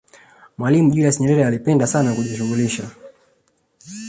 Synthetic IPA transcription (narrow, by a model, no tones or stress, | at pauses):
mwalimuʄuɾiasɲɛɾɛɾɛalipɛndasanakuʄiʃuɣuliʃa